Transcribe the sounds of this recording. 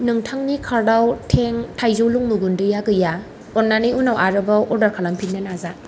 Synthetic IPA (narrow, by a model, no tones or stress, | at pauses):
nɯŋtʰaŋnikʰaɾdawtʰeŋtʰajzowluŋmuɡundɯjaɡɯja | ɔnanijunawʔaɾɯbawʔɔɾdaɾkʰalampʰinːanaza